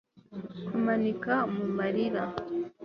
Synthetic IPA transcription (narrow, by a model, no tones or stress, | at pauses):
kumanikamumaɾiɾa